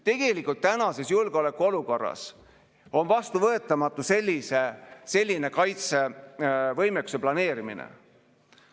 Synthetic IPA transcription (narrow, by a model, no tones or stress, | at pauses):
t̪e̞ɡ̥e̞likˑult̪ːænɑse̞sjulɡ̥eo̞lekˑuo̞luko̞rːɑ̰s | o̞nvɑst̪uvɤe̞t̪ːˑɑmɑt̪ːˑuse̞lʲːise̞se̞lʲːine̞kɑjt̪se̞ | vɤjmekːˑuse̞plɑne̞ːɾimḭnḛ